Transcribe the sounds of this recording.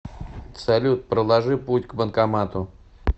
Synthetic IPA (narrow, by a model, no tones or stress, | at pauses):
sɐlʲut̪̚pɾəlˠɐʐɨputʲɡbənkɐmat̪ʊ